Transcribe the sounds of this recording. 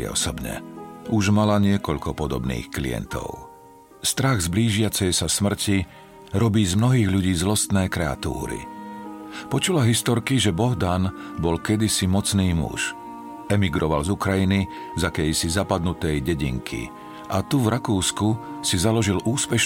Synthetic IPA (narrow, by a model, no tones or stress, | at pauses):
ɔ̰sɔbɲɛ̰uʒmalaɲɪɛkɔʎkɔpɔd̪ɔbnḭːxklḭɛ̰nt̪ɔ̰ʊ | st̪ɾaɣzbliːʒɪat͡sɛjsasmr̩ci | ɾɔbiːzmnɔɦiːɣʎuɟiːzlɔst̪nɛːkɾɛa̰t̪ṵːɾḭ | pɔt͡ʃulaɦist̪ɔɾkiʒɛbɔɦd̪an | bɔlkɛd̪isimɔt͡sniːmṵʃ | ɛmiɡɾɔʋa̰lzukɾajini | zakɛjsizapad̪nut̪ɛjɟɛɟḭŋkʰḭ | ʔat̪uvɾakuːskusizalɔʒiluːspɛʃ